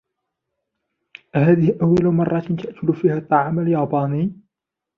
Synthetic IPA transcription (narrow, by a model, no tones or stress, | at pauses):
ʔhaːðɪhɪʔawːalmɑrˤːɑt̪nt̪ʰaʔk̪ʰʊlfiːhat̪ˤːɑʕaːmaljɑːbɑːni